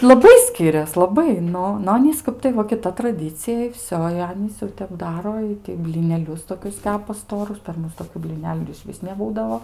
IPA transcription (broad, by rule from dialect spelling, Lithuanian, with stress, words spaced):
lˠɐˈbɐɪ ˈsʲkʲɪrʲɛs lˠɐˈbɐɪ ˈnʊ nʊ ˈɑːnʲiːs ˈkɐp tɐɪ ˈʋɐ kʲɪˈtɐ trɐˈdʲiːt͡sʲɪjɛ ɪ ˈʋʲsʲoː ɪ ˈɑːnʲiːs ˈjɛʊ tʲɛp ˈdɑːroː ˈɪtɐɪ bʲlʲɪnʲɛˈlʲʊs toːˈkʲʊs ˈtʲæːpɐ ˈstoːrʊs pʲɛr ˈmʊs toːˈkʲuː bʲlʲiːˈnʲæːlʲʊ ɪr ɪʃʲˈʋʲɪs nʲɛˈbuːdɐʋoː